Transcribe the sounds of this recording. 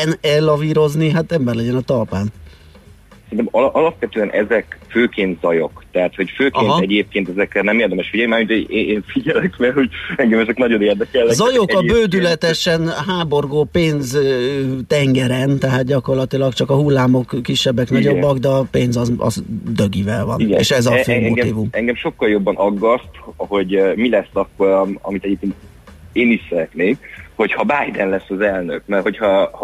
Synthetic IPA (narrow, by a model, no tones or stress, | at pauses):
ɛnɛlːɒviːɾo̞zniɦat̪ɛmbɛrlɛɟɛnɒt̪ɒlpaːn | sɛnt̪ɛmɒlʔɒlɒpʋɛt̪øːɛnʔɛ̰zɛkføːkeːnt̪zɒjo̰kt̪ɛɦat̪ho̞cføːkeːnɦ̪ɛɟeːp̚keːnt̪ɛzɛkrɛnɛmeːrd̪ɛmɛʃfiɟɛlnimaːmint̪eeːnfiɟɛlɛkmɛlho̞ɟɛŋɡɛmɛzɛknɒɟo̞neːrd̪ɛkɛlːzɒjo̞kɒbøːd̪ylɛt̪ɛʃɛnɦaːbo̞rɡoːpeːnz | t̪ɛŋɡɛɾɛnt̪ɛɦaːt̪̚ɟɒko̞rlɒt̪ilɒkt͡ʃɒkɒɦulːaːmo̞kːiʃːɛbːɛknɒɟo̞bːɒɡd̪ɛɒpeːnzɒzɒ̰zd̪øɡivɛlvɒ̰niɡḛːʃɛzɒføːmɛoɛt̪iːvumɛŋɡɛmʃo̞kːɒljo̞bːɒnʔɒɡːɒst̪ho̞ɟmilɛsːɒkːoɾɒ̰mit̪ɛɟip̚t̪eːnt̪ | eːniʃsɛɾɛt̪neːmho̞chɒbaːjd̪ɛnlɛsːɒzɛlnø̰kmɛrho̞chɒh